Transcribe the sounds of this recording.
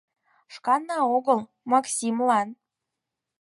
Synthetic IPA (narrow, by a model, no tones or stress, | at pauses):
ʃkɑnːɑoɣəlˠ | mɑksʲimlɑn